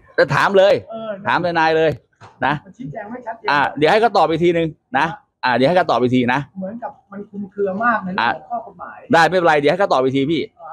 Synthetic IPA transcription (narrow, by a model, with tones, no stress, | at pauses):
t̪ɛː˧˩t̪ʰa̰ː˨˩˦mlɤː˧j̪ːʰaː˨˩˦mt̪a˧naː˧jlɤː˧j | na˦˥˧i˧˥ɛː˧ŋa˥˩˦ʔaː˧˩di˨˦ha˥˩ka˥˩t̪ɔː˨˩p̚ʔi˧t̪ʰiː˧nɯ˧ŋ | na˦˥ | ʔaː˨˩˨a˥˩kʰt̪ɔː˨˩p̚iː˧t̪ʰiː˧na˦˥mɯ˩˦ənka˨˩p̚ma˧nkʰu˧nkʰɯ˧ɐmaː˥˩k̚a˧˦aː˨˧˩ɔː˥˩˧aː˨˩daː˥˩jma˥˩˧la˧jdi˨˩˦hka˥˩t̪̚ːi˧t̪ʰiː˧pʰiː˥˩